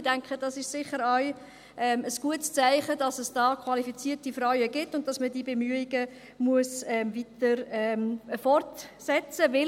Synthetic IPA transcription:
d̥æŋkχəd̥ɑsɪʃsɪχəɾaɥ | ʔɛməsɡ̥uətst͡sæɪχədɑsəsd̥ɑːkʰwɑlifit͡siːtifɾœɥəɡɪtːʊnt̚dɑsmədiːbemyəiɡə | muəsɛmvitəɾɛmfɔrtsɛt͡səvɪ

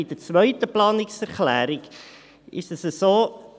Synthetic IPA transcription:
ɪdət͡sʋœʏtəplɑːnɪksɛɾχlæːɾiɡ | ʔɪ̰ʃtəsəsoː

